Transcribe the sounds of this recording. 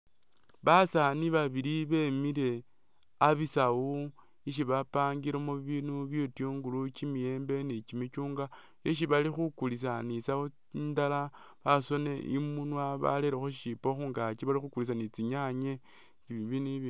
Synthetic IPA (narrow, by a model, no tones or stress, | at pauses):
βasaniβaβiɾiβe̞miɾe̞ | aβisawo | iʃ̬iβapaːŋɡiɾemuβinuβjotjoːŋɡulut͡ʃimije̞ːmbe̞nit͡ʃimit͡ʃuːŋɡa | jeʃ̬iβalixukulis̬anisao | ndala | βaso̞ne̞ʔḭmunwaβa̰leɾexoʃipoxuːŋɡat͡ʃiβalixukulis̬anit͡siɲaɲe | t͡ʃiβiβiniβi